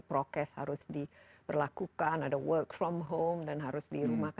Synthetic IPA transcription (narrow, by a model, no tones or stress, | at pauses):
pɾokɛsha̰ɾʊsdipərlakukanadawəkfɾɔmɦomdanɦaɾʊsdiɾumahk